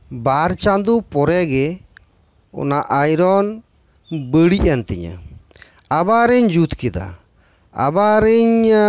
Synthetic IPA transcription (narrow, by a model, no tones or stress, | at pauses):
baɾt͡ʃand̪upɔɾɛɡɛ | ɔ̰naʔajɾɔn | bəɽiant̪iɲa̰ | abaɾəɲd͡ʒut̪kɛd̪a̰ | a̰baɾəɲ